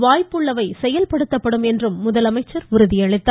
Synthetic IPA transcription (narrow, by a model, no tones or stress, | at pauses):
ʋaːjpːɯɭːɐʋɐɪsɛjɐlpɐɽɯt̪ːɐpːɐɽɯmɛndrɯmːʊðɐlɐmɐɪt͡ʃːɐɾʊɾɯðɪjɐɭɪt̪ːa